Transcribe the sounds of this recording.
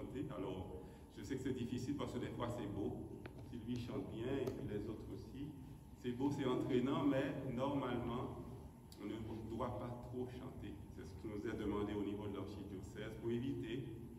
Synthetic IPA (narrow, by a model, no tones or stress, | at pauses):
t̪ealɔʁ | ʒ̥əsɛkə̥sɛd̪ifisilpaʁskəd̪ɛfwasɛbosilɥiʃɑ̃t̪ʁjɛ̃epilɛzot̪χosi | sɛbosɛɑ̃t̪χenɑ̃mɛnɔʁmalmɑ̃ | ɔ̃nə̃d̪wapat̪χoʃɑ̰̃t̪esɛsə̥kʲinuzɛd̪əmɑ̃d̪eonivod̪əlaʁʃid̪josɛzpuevit̪e